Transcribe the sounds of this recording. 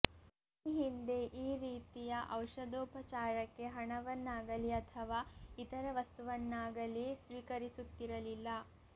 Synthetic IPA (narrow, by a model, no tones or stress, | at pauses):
ɦind̪e̞ʔiːɾiːt̪ijɐʔɐwʂɐd̪ɔːpɐt͡ʃaːɾɐkːe̞ɦɐɳɐʋɐnːaːɡɐliɐt̪ʰɐʋaːit̪ɐɾɐʋɐst̪uʋɐnːaːɡɐlisʋiːkɐɾisut̪ːiɾɐlilːɐ